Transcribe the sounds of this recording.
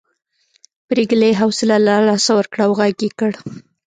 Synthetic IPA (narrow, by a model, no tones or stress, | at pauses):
bɾeɡleɦawsɪlalalɑsawəɾkɽawɣaɡekəɽ